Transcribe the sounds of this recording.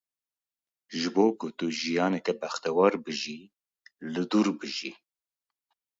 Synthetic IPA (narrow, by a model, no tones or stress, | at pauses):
ʒɨboːkʊt̪uʒijɑːnɛkɛbɛxt̪ɛwɑɾbɨʒi | lɨd̪uɾbɨʒi